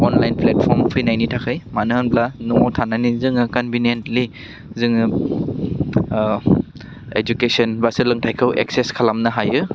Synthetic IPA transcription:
ɔnlajnplet̚pʰɔɾmpʰijnajnitʰakʰɯjmanɯɦɯnplanuŋɔwtʰananizɯŋɯkɔnbinentli | zɯŋɯ | ed͡ʒukesɔnbasɯlɯŋtʰajkʰɯwʔḛk̚seskʰalamnɯɦajɯ

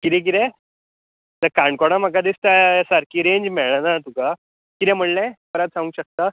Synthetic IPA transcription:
kit̪ɛ̃k̬it̪ɛ̃ | t̪əɾkaɳkoɽ̃am̤akad̪ist̪asaɾkʰiːɾeɲd͡ʑmɛɭanat̪uka | kit̪ɛ̃m̤əɳlɛ̃kəɾat̪sãŋũɕək̚t̪a

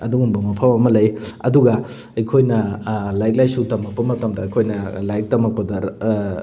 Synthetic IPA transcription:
ɐduŋuŋbɐmɐpʰɐmɐmɐlɐjɐduɡɐ | ɐjkʰojnɐlajk̚lajsutɐmɐk̚pːɐmɐtɐmdɐɐjkʰojnɐlajk̚tɐmɐk̚pɐdɐ

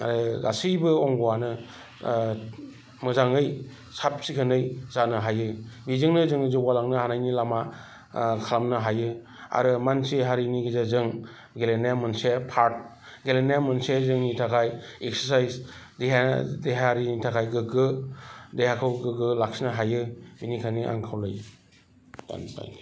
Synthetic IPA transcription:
a̰ɾɯɡa̰sibɯɔŋɡɔwanɯ | mɯzaŋɯj | sap̚sikʰɯnɯjzanɯɦajɯbizɯŋnɯzɯŋɯzɯwalaŋnɯhanajnilama | kʰalamnɯɦajɯ | a̰ɾɯmansiɦaɾiniɡizazɯŋ | ɡelenajamɯnsepʰaɾt̚ | ɡelenajamɯnsezɯŋnitʰakʰajek̚səɾsajz | deɦadeɦaɾinitʰakʰajɡɯɡɯdehakʰɯwɡɯɡɯlaksinaɦajɯbinikʰaniʔa̰ŋkʰawlɯj | ta̰nta̰j

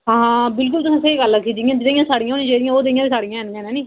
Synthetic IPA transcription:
ɦãːɦãːbɪlkʊlt̪ʊsãːseiːɡəlːəkʰːiːd͡ʒ̪iːjãːd͡ʒɪd̪aːijãːsaːɽijãɦoːnĩd͡ʒeːd̪ijãːoːd̪eijãːiːsaːɽijãːɛ̃ːnd̪ẽːnɛ̃ːnĩː

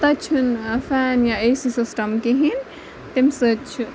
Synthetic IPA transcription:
t̪ɐt͡ʃʰunfɛːnjaeːsisɪsʈɐmkiɦin | t̪imsɨt͡ʃʰu

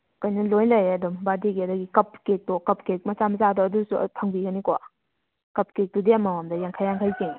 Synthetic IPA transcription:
kɐjnɐlojlajeɐdumbadiɡiɐdaɡikɐp̚kek̚tɔkɐp̚kek̚mɐsamɐzadɔɐdusṵtʰaŋbiɡɐnikɔ | kɐp̚kek̚dudiɐmawamdɐjaŋkʰajːaŋkʰajzeŋ

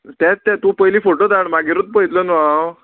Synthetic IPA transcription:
t̪jat͡st̪ːat̪ũpəjliːfoʈod̪aɳmaɡiɾət̪̚pəjt̪ləna

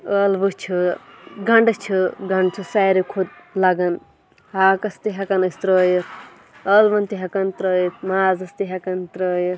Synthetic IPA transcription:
əːlʋut͡ʃʰɨɡɐɳɖɨt͡ʃʰɨɡɐɳɖt͡ʃʰɨsɐːjɾikʰud̪̚lɐɡɐn | haːkɐst̪iɦɐkɐnɐst̪ɾoːjit̪ʰ | əːlʋɐnt̪iɦɐkɐnt̪ɾoːjit̪ʰmaːzɐst̪iɦɐkɐnt̪ɾoːjiɾ

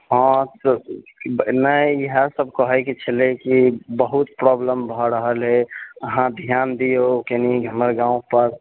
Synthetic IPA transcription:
ɦɔ̃s | nəiɦəsəb̚kɔɦɛket͡ʃʰəlekibəɦut̪pɾɔbləmbʱɔɾəɦəlɦeəɦãd̪ʱijand̪ijokeniɡʱəməɾɡãũpəɾ

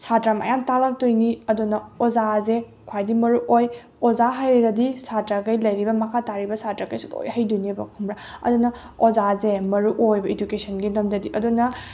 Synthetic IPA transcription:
satɾama̰jamtalak̚tojniɐdunɐɔzaze | kʰwajdimɐɾuʔoj | ɔzaɦajɾiɾɐdisatɾakɐjlɐjɾibɐmɐkʰataɾibɐsʰatɾakɐjsuto̰jhɐjdujnibɐkʰumɾa | ɐ̰dunɐ | ɔzazemɐɾuʔojbɐed͡ʒukesʰɐnɡinɐmdɐdiʔɐdunɐ

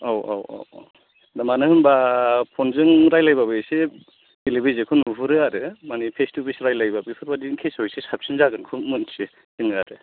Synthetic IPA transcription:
awa̰wɔ̰w̰ | damanɯhɯnbapʰɔnzɯŋɾajlajbabɯse | delibizekʰɯnupʰɯɾɯaɾɯmanipʰestubisɾajlajbabipʰɯɾbadinkʰesɔjsesap̚sinzaɡɯnkʰumɯnsi | sɯnɯaɾɯ

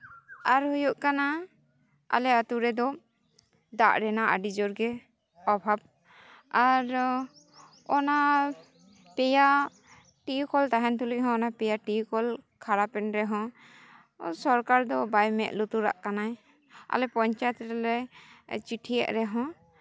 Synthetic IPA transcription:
aɾɦujuʔkana | a̰lɛat̪uɾɛd̪ɔ | d̪aʔɾɛnaʔa̰ɖid͡ʒɔɾɡɛ | ɔbʱab̚ | aɾ | ɔna | pɛja | ʈijukɔlt̪aɦɛnt̪uliʔ̚ɦɔ̃ːnapɛjaʈijukɔlkʰaɾapɛnɾɛɦɔ̃ | sɔɾkaɾd̪ɔbajmɛ̰ʔlut̪uɾa̰ʔkanaj | a̰lɛpɔɲt͡ʃajɛt̪ɾɛlɛt͡ʃiʈʰija̰ʔɾɛɦɔ̃

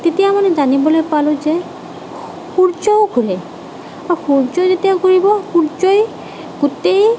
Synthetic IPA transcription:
tetijamanzanibɔlojpalʊ̃zɛ | xuɹzɔʊɡʱuɹɛ | axuɹzɔzetijaɡʱuɹibɔxuɹzɔj | ɡ̥ʊtej

